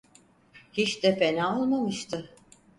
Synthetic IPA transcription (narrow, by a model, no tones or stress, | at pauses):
hit͡ʃd̪ɛpenaːolˠmamɯʃt̪ʰɯ